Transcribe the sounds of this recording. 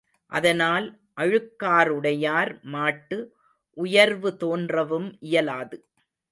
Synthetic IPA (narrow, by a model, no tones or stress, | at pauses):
ʔɐ̰ðɐnaːl | ʔɐɻɯkːaːɾɯɽɐjaːɾmaːʈːɯ | ʔʊjɐɾʋɯt̪oːndrɐʋɯmʔɪjɐlaːðɯ